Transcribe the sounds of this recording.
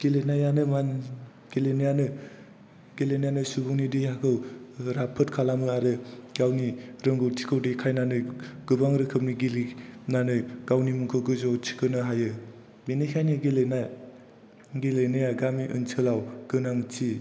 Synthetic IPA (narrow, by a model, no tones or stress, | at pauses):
ɡ̥elenajanɯman | ɡ̥elenɯjanɯ | ɡ̥elenajanɯsubuŋnidihakʰɯwɾapʰɯtkʰalamɯaɾɯɡawniɾɯŋɡɯwtʰikʰɯwdɯkʰajnanɯjɡ̥ɯbaŋɾɯkʰɯp̚niɡilinanɯjɡ̥awnimuŋkʰɯɡɯzowtʰi̥kʰɯnɯɦajɯ | binekʰajnɯɡelenaj | ɡelenɯjaɡamiʔɯ̰nt͡ʃʰɯlawɡ̥ɯnaŋt͡ʃi